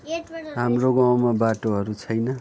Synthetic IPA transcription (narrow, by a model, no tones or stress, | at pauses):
ɦamroɡaw̃mabaʈoɦʌɾut͡sʰʌjnʌ